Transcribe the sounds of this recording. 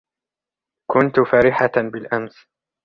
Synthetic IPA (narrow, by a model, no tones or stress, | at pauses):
kʊnt̪ʊfaːɾɪħabɪlʔams